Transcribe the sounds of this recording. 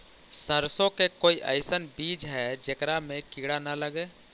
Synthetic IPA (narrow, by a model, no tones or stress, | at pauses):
səɾsõkekoːiʔə̰ɪsənbid͡ʒɦɛd͡ʒekɾamẽkiɽanələɡe